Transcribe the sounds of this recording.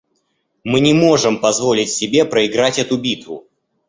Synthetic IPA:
mɨnʲɪmo̞ʐɨmpɐzvo̞lʲɪtʲsʲɪbʲe̞pɾəɪɡɾatʲɛt̪ʊbʲit̪vʊ̰

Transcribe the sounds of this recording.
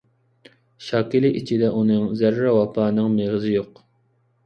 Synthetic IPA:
ʃɑːkʲilɪʔit͡ʃʰid̪ɛʔunɨŋzæɾːɑwɑpʰɑːnɨŋmeʁɨzɪjoq

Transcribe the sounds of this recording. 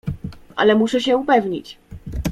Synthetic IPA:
ʔa̰lɛmuʂɛɕɛupɛvɲḭt͡ɕ

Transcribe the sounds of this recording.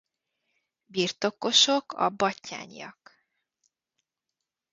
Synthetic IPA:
birt̪o̞ko̞ʃo̞kʰɒ̰bɒcːa̰ːɲijɒ̰k

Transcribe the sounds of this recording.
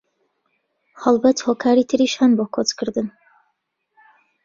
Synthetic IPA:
hɑlˠbɛt̪hokʰaːɾit̪ʰɨɾiːʃaːnboːkʰot͡skʰɨɾd̪ɨn

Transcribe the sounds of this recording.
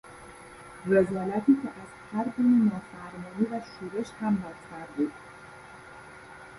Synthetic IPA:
vezɒːlæt̪ʰiːkʲʰeʔæz̥hæɾɡuːnenɒːfæɾmɒːniːvæʃuːɾeʃhæmbɒːztʰæɾb̪uːd̪

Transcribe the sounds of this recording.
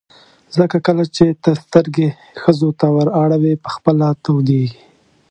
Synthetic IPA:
zəkakəlat͡ʃet̪əst̪əɾɡe | xəzot̪awəɾɑɽawepə̥xpəlat̪awd̪eɡi

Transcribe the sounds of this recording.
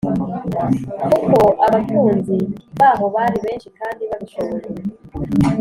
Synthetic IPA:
kuko̞ʔaβatʰuːnziβaːβo̞βaɾiβe̞ːnʃikaːndiβaβiʃoβoɾe

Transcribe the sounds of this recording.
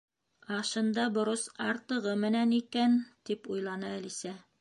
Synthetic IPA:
ɑʃɤ̆nd̪ɑbŏɾosɑɾt̪ɤ̆ʁɤmɘ̆nænikænt̪ipujlˠɑnɤælisæ

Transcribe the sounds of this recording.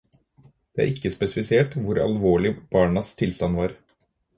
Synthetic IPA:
d̪̥ɛːæ̰ɾɪkːəspɛsɪfɪseːʈʋʊɾɑ̰lʋoːɭɪb̥ɑːɳɑst̪ʰɪlst̪ɑnʋɑːɾ

